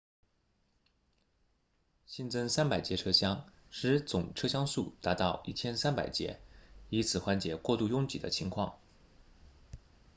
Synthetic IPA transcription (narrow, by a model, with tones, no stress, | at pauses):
ɕi˥˧nt͡sɤ˥ŋsa˥npa˨˩ɪt͡ɕjɛ˧˥ʈ͡ʂʰɤ˥ɕjɑ˥ŋʂɻ̩˧˥t͡sʊ˨˩ŋʈ͡ʂʰɤ˥ɕjɑ˥ŋsṵ˥˩t̪a˧˥t̪ɑ˥˧ʊʔi˥˩t͡ɕʰjɛ˥nsa˥npa̰˨˩ɪt͡ɕjɛ̰˧˥i˧˥t͡sʰɹ̩˨˩xwa˧˥nt͡ɕjɛ˨˩kwɔ˥˧t̪u˥˧jʊ˥˩ŋt͡ɕḭ˨˩d̪ə̰˦t͡ɕʰi˧˥ŋkʰwɑ̰˥˩ŋ